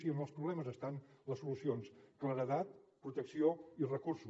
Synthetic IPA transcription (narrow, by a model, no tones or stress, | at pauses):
siənməlˠspɾuβlɛməzəst̪anləsːulusionskləɾəðat̪pɾut̪əksioirəkursu